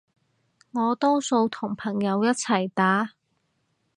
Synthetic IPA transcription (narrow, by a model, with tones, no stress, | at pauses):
ŋɔː˨˧t̪ɔː˥wso˧wt̪ʰʊ˨˩ŋpʰɐ˨˩ŋjɐ˨˧wjɐ˥t̚t͡sʰɐ˨˩jt̪aː˨˥